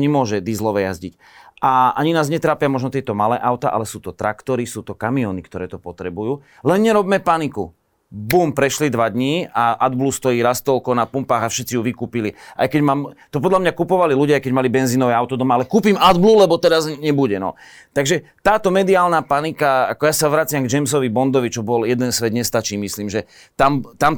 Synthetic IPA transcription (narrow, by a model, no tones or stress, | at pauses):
ɲɛmʊɔʒɛd̪izlɔʋɛja̰zɟḭc | ʔaʔaɲinaːzɲɛt̪ɾaːpɪamɔʒnɔt̪ɪɛt̪ɔmalɛ̰ːʔaʊt̪a̰ʔa̰lɛsuːt̪ɔt̪ɾa̰kt̪ɔɾisuːt̪ɔkamiɔːnikt̪ɔɾɛ̰ːt̪ɔpɔt̪ɾɛbujuː | lɛnɲɛɾɔbmɛpaniku | buːmpɾɛʃlid̪ʋad̪ɲiːaʔad̪blust̪ɔiːɾast̪ɔlkɔnapumpaːɣafʃɛt̪t͡sijuʋikuːpilia̰jkɛɟmaːmt̪ɔp̬ɔd̪lamɲakupɔʋaliluɟɪajkɛɟmalibɛnziːnɔʋɛaʊt̪ɔd̪ɔmaalɛkuːpimad̪blulɛbɔt̪ɛɾazɲɛbuɟɛnɔ̰t̪aɡʒɛt̪aːt̪ɔmɛd̪iaːlnapanikaa̰kɔjasaʋɾat͡sɪamɡd͡ʒɛmsɔʋibɔnd̪ɔʋit͡ʃɔbɔljɛd̪ɛnsʋɛd̪ɲɛst̪at͡ʃiːmisliːmʒɛ | t̪amt̪am